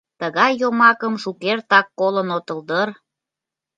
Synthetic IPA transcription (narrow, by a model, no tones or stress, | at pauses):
t̪əɣɑjːomɑkəmʃukert̪ɑkːolənot̪ə̆ld̪ər